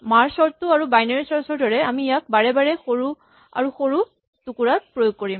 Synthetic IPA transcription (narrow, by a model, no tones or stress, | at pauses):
maɹsɔɹtuaɹubajnaɹisɔɹsɔɹdɔɹɛamijak̚baɹɛbaɹɛxoɹu | a̰ɹuxoɹu | tukuɹat̚pɹojoɡ̚koɹim